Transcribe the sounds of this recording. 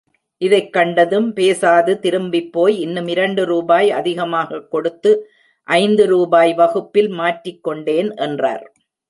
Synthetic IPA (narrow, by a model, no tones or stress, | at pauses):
ʔɪðɐɪkːɐɳɖɐðɯmpeːsaːðɯt̪ɪɾɯmbɪpːoːjɪnːɯmɪɾɐɳɖɯɾuːbaːjɐ̰ðɪɣɐmaːɣɐkːɔɽɯt̪ːɯ | ʔɐɪnd̪ɯɾuːbaːjʋɐɣɯpːɪlmaːʈrɪkːɔɳɖeːnʔɛndra̰ːɾ